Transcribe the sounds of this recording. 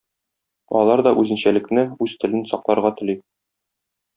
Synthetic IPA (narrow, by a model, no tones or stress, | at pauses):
ɒ̰lˠɑɾd̪ɒʔʉzɘ̆nɕælɘ̆knɘʉz̥t̪ɘ̆lɘnsɒqlˠɑɾʁɑt̪ɘ̆li